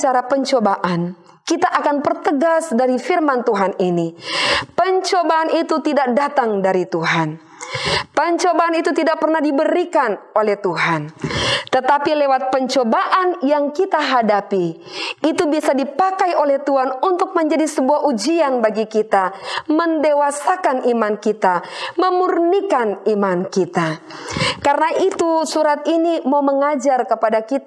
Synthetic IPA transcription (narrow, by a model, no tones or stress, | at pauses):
t͡ʃaɾapəɲt͡ʃobaʔan | kit̪aʔakanbərt̪əɡasdaɾifirmant̪uɦaninipəɲt͡ʃobaːnʔit̪ut̪idak̚dat̪aŋdaɾit̪uɦan | pəɲt͡ʃobaːnit̪ut̪idak̚pərnahdibəɾikanolɛht̪uɦant̪ət̪apilewat̪̚pəɲt͡ʃobaʔanjaŋkit̪aɦadapi | it̪ubisadipakajolɛht̪uɦanunt̪ʊk̚məɲd͡ʒadisəbuaɦʔud͡ʒianbaɡikit̪aməndewasakanʔimankit̪aməmurnikanimankit̪a | kaɾənaʔit̪usuɾat̪̚inimauməŋad͡ʒarkəpadakit̪a